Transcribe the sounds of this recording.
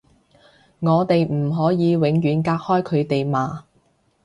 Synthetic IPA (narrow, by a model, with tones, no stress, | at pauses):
ŋɔː˨˧t̪e˨jm̩˨˩ɦɔː˨˥jiː˨˧wɪ˨˧ŋjyː˨˥nkaː˧k̚hɔː˥jkʰɵ˨˧ɥt̪e˨jmaː˨